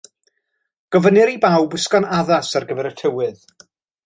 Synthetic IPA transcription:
ɡ̥ɔvənɨɾibawbɪskɔnaðasarɡəvɛɾətʰəwɨð̥

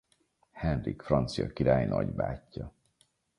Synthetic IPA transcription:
hɛnrikfrɒnt̪sijɒkiɾaːjnɒɟbaːcːɒ

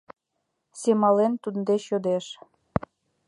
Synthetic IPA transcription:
semɑlent̪und̪eɕod̪eʃ

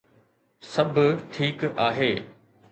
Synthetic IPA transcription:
sɐbʱʊʈʰiːkaːɦeː

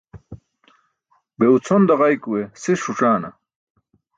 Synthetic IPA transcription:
beut͡sʰond̪ɐʁajkuwesiʂuʈ͡ʂaːnɐ̰

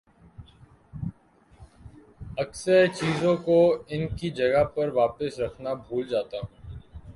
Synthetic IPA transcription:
ɐksəɾt͡ʃiːzõkoɪnkid͡ʒɐɡəpɐɾʋaːpəsɾɐkʰnabʱuːld͡ʒaːt̪aːɦɛ̃

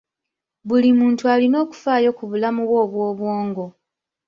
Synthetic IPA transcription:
βulimuːntualino̞ːku̥faːjo̞kuβulamuβwo̞ːβwo̞ːβwoːŋɡo̞

